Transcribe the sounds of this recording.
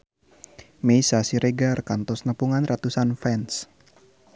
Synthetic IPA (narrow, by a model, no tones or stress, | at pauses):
mejsasiɾeɡarkant̪ɔsnəpuŋanrat̪usanfɛns